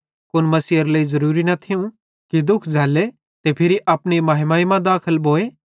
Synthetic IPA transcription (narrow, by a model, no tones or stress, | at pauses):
kʊnmɐsiːəɾləːizɐɾuːɾinɐt̪ʰɪũ | kid̪ʊkʰd͡zʱaːle | t̪epʰɪɾiʔaːpɽ̃imaːɦɪmaːimãd̪aːkʰəlboːeː